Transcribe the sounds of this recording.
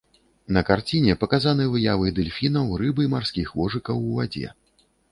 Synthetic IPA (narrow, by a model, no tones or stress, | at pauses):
nɐkart͡sʲinʲɛpɐkazanɨvɨjavɨd̪ɨlʲfʲinɐwrɨbɨjmarsʲkʲixvɔʐɨkɐwuvad͡zʲɛ̰